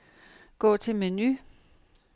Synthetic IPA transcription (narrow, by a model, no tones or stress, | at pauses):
ɡ̥ɔ̰ːt͡sʰe̝meny